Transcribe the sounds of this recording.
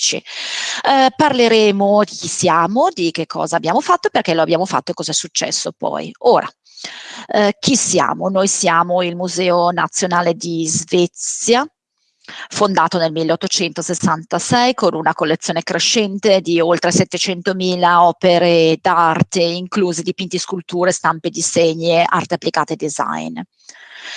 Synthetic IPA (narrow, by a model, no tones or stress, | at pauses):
t͡ʃḭ | parleɾɛːmod̪ik̟isjaːmod̪ik̟ekʰːɔ̰ːzaːbːjaːmofat̪ːoperkɛloabːjaːmofa̰t̪ːoekːɔzɛsut͡ʃːɛ̰sːopɔ̰joːɾa̰ | k̟isja̰ːmonojsjaːmoilmuzɛːonat̪sːjonaːled̪izvɛt̪sja | fond̪aːt̪onelmilːeɔt̪ːot͡ʃɛnt̪osesːant̪asɛjkonunakolːet̪sːjoːnekɾeʃːɛnt̪ed̪iolt̪ɾesɛt̪ːet͡ʃɛnt̪omiːlaɔːpeɾed̪art̪eiŋkluːzed̪ipint̪iskult̪uːɾest̪amped̪iseɲːea̰rt̪eapːlikaːt̪eːd̪ːiza̰jn